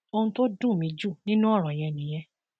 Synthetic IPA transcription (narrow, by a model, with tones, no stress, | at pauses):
o˧ũ˧to˦dũ˦˨mĩ˨˧d͡ʒu˦˨nĩ˦nũ˦ɔ˦˨ɾ̃ɔ̃˨j̃ɛ̃˧˨nĩ˨j̃ɛ̃˧˦